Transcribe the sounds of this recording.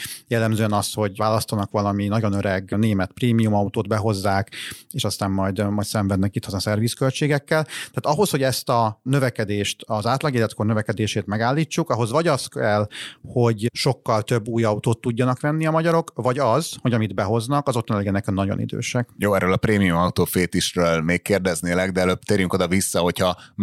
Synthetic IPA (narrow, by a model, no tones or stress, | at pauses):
jɛlːɛmzøːɛnɒsho̞ɟvaːlɒst̪onɒkʋɒlɒminɒɟo̞nøɾɛɡneːmɛt̪preːmijumɒut̪oːd̪bɛɦo̞zːaːkeːʃɒst̪aːmːɒjd̪mɒjt̪sɛɱvɛd̪nɛkit̪ʰːɒzɒnsɛrviskø̞lt͡ʃeːɡɛkːɛlt̪ɛaːt̪ɒɦo̞sho̞ɟɛst̪ɒnø̞vɛkɛd̪eːʃt̪ɒzaːt̪lɒɡeːlɛt̪ko̞rnøvɛkɛd̪eːʃeːt̪mɛɡaːlːiːt͡ʃːukɒɦo̞zʋɒɟɒskɛlho̞ɟʃo̞kːɒlt̪ø̞bːuːjɒut̪oːt̪ːuɟːɒnɒkʋɛnːiɒmɒɟɒɾo̞kvɒɟɒzho̞ɟɒmid̪bɛɦo̞znɒkɒzot̪ːonlɛɡɛnːɛkɛmnɒɟo̞̰nḭd̪ø̰ːʃɛkjoːɛɾøːlɒpɾeːmijumɒut̪oːfeːt̪iʃɾøːlmeːkkːeːrd̪ɛzneːlɛɡd̪ɛɛløːb̚t̪eːɾjyŋko̞d̪ɒvisːɒho̞cʰhɒ